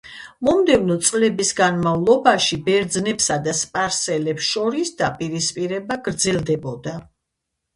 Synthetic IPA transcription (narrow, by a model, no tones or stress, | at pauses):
mɔmd̪ɛvnɔt̪sʼlɛbisɡanmavlˠɔbaʃibɛɾd̪znɛpsad̪aspʼaɾsɛlɛpsʃɔɾisd̪̥apʼiɾispʼiɾɛbaɡɾd̪zɛlˠd̪ɛbɔd̪a